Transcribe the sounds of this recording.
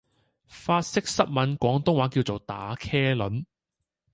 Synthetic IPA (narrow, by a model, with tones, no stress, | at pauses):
faː˧t̚sɪ˥k̚sɐ˥t̚mɐ˨˧nkʷɔː˨˥ŋt̪ʊ˥ŋwaː˨˥kiː˧wt͡so˨wt̪a̰ː˨˥kʰɛː˥lɵ˨˥n